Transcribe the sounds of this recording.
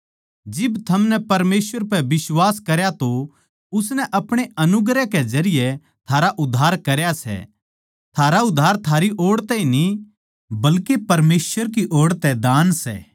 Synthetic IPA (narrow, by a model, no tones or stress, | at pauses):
d͡ʒɪbt̪ʰɐmnɛpɐɾmeːswəɾpɛbɪswaːskɐɾjat̪o | ʊs̬nɛʔɐpɽ̃eɐnʊɡɾɛkɛd͡ʒɐɾɪjɛ | t̪ʰaːɾaʔʊd̪ʱːaːɾkɐɾjasɛ̰ | t̪ʰaːɾaʊd̪ʱːaːɾt̪ʰaːɾiʔoːɽt̪ɛini | bɐlkepɐɾmeːswəɾk̬iʔoːɽt̪ɛd̪aːnsɛ̰ː